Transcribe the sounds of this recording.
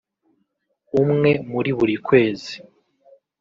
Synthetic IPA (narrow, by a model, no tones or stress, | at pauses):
umŋe̞muɾiβuɾikwe̞ːzi